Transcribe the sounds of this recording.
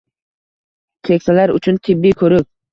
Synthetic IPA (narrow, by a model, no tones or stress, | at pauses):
t̪ʲʰekʲsalaɾʊ̰t͡ʃʰʊnt̪ʰɪbːikʰɵɾɪk̚